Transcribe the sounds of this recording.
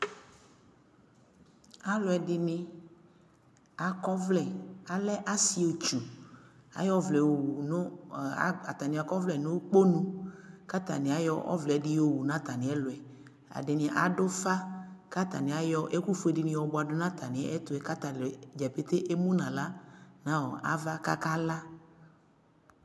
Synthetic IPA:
a˨lʊ˨ɛ˨dɪ˨nɪ̃˨ | a˨kɔ˦vlɛ˨a˨lɛ˦ʔa˦si˦o˨t͡ʃu˨a̰˨jɔ˦vlɛ˨o˨wu˨nʊ˦˨ | a˨t̪a˨nĩ˨a˨kɔ˦vlɛ˨nõ˦k͡po˦nũ˦ka˦t̪a̰˨nɪ̃˨a˨jɔ˦ʔɔ̰˦vldɪ˦o˨wu˨nã˦t̪a˨nɪ̃˨˦ɛ˦lʊ˨ɛ˨ | a̰˨dɪ˨nɪ̃˨˦ʔa̰˨ɖʊ˦fa˦ka˦t̪a̰˨nɪ̃˨a˨jɔ˦ʔe˦ku˦fu˦e˨dɪ˨nɪ̃˨wɔ˨bʊ˨a˨dʊ˦nã˦t̪a˨nɪ̃˨˦ʔɛ˦t̪ʊ˨˦ɛ˨ka˦t̪a˨le˨d͡ʒɛ˨pe˦t̪e˦ʔe˦mũ˦nã˨la˦nã˦wɔ˨ʔa̰˨va˦ka˦ka˦la˦

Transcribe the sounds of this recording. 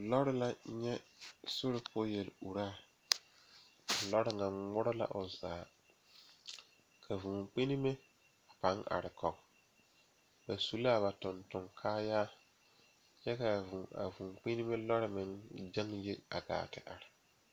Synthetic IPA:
lɔ˦ɾɪ˦la˦ɲɛ˦sʊ˦ɾɪ˦pʰʊ˦je˨lu˨ɾaː˦˨ | a˨lɔ˦ɾɪ˦ŋa˨ŋmʊ˦ɾʊ˦la̰˨ʔʊ˨zaː˨˦˨ | kʰa˨vũ˨k͡pɪ˦nɪ˦mɪ˦˨ | pa˨˦ŋʔa̰˨ɾɪ˨kɔ˨ɡ | ba˨su˨la˦˨βa˨tʊ˨ntʊ˨ŋkʰaː˦jaː˦ | ɲɛ˦ka˨vu˨a̰˨vuː˨ŋk͡pɪ˦nɪ˦mɪ˦lɔ˦ɾɪ˦mɪ˦ŋd͡ʒa˦ŋje˦a̰˨ɡa̰ː˨tɪ̰˨ʔa˨ɾɪ˨

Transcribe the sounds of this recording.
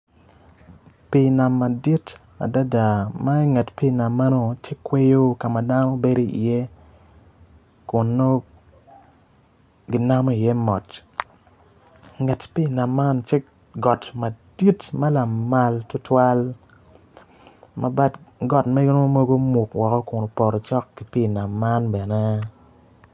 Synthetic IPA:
pi˨na˨mːa˨di˦t | a̰˨da˦da˨ma˦ŋɛ˨tpi˦˨na˨mːa˦no˨t͡ʃe˦kwe˦jo˦ka˨ma˨da˦no˦be˦ɾo˦ḭ˨je˦ | kʊ˨nːo˦ | ɡɪ˨na˦mo˦i˨jɛ˦mɔ˨t | ŋɛ˨tpi˦˨na˨mːa˦nt͡ʃɛ˦k | ɡɔ˨tma˨di˦tmɐ˦la˨ma˦ltʊ˦twa˦l | ma̰˨ba˦tɡɔ˨tme˦ɡo˦no˦mo˦ɡo˦mu˨kwɔ˨kɔ˦kʊ˨no˨pɔ˨ɾɔ˨t͡ʃɔ˦kːi˨pi˦˨na˨mːa˦nbɛ˨nɛ˦

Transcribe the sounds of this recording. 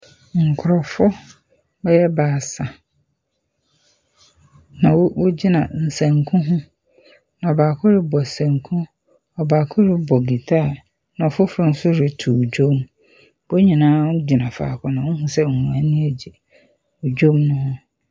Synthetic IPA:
ŋ̩˨kʰʊ˨ɾɔ˨fʊ˦ | bɛ˦jɛ˦baː˨sa˨ | nã˨wwo˦d͡ʑi˦nã˨n̩˨sæ̃˨ŋkʰũ˦ɦʊ̃˦ | nã˨ɔ˨baː˨kʰʊ˦ɾɪ˦bɔ˨sæ̃˨ŋkʰũ˦ | ɔ˨baː˨kʰʊ˦ɾɪ˦bɔ˨ɡi˨tʰaː˦˨ | nã˨ɔ˨fʊ˦fɾʊ˨˦n̩˦sʊ˦ɾɪ˨tʰu˨d͡ʑo˦m | bo˦ɲĩ˨nãː˦ʊ˦d͡ʑi˨nã˨fa̰ː˨kʰʊ˦nã˨wʊ̃˦ɦʊ̃˦sɛ˦˨hũ˨æ˨nĩ˦æ˨d͡ʑi˨ | u˨d͡ʑᶣo˦mnʊ̃˦hʊ̃˦

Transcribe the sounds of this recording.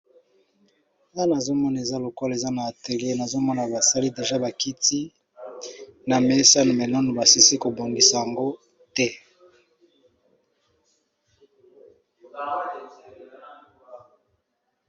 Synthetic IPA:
na˦na˨zo˦mɔ˦na˨e˨za˦lo˨kɔ˦le˨za˦naː˨te˨le˦na˨zo˦mɔ˦na˨ba˨sa˦li˦de˨ʒa˦ba˨ki˦ti˦ | na˨me˦sa˦no˨me˨nɔ˦no˨ba˨si˦si˦ko˨bo˨ndi˨sa˨ja˨ŋɡo˦ | tɛ˦

